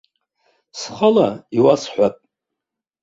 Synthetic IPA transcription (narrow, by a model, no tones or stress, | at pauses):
sχalaiwasħʷapʼ